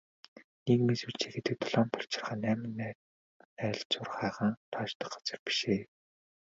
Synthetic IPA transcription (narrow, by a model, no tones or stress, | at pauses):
nekmeswɘɬt͡ɕʰeːɡet̪ɘ̆k̚t̪ʰɔɮɔːnt̪ʰɔɬt͡ɕɪ̆rχăːnːæːmɪ̆næ | æːɮt͡ɕʊrχæːʁănt̪ʰɔːʃt̪ə̥̆χɢḁt͡sə̆rpi̥ʃeː